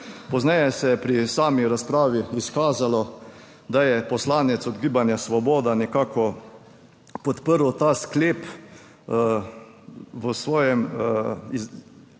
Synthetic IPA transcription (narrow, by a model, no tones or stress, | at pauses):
pɔznɛjɛsɛjɛpɾisaːmiɾaspɾaːʋiːskaːzalɔ | d̪ajɛpɔslaːnɛt̪sɔd̪ɡiːbanjasʋɔbɔːd̪anɛkaːkɔ | pɔt̪pəɾwt̪aːskleːp | ʋəsʋɔːjɛmi